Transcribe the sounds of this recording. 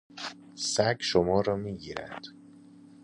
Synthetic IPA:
sæɡʃomɒːɾɒːmiːɟiːɾæ̰nd̪̥

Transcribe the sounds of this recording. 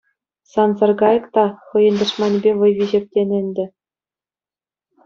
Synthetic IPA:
sɑnzɑrɡɑjɤ̆kt̪ɑχɤ̆jɤ̆nʲd̪ɤ̆ʂmɑnʲbʲeʋɤ̆jʋʲiʑɘ̆p̚ʲtʲenʲɘ̆nʲdʲɘ̆

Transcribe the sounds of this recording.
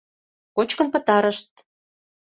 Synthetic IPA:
kot͡ɕkə̆npɤ̆t̪ɑɾə̆ʃt̪̚

